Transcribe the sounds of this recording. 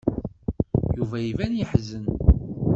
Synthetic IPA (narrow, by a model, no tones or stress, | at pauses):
juvæjivænjəħzən